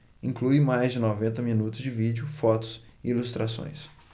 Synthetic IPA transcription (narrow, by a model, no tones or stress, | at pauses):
ĩŋkluɪmajzd͡ʒɪnɔvẽnt̪ɐminut̪ʊzd͡ʒɪvid͡ʒʊfɔt̪ʊ̥sɪilust̪ɾasõ̰j̃s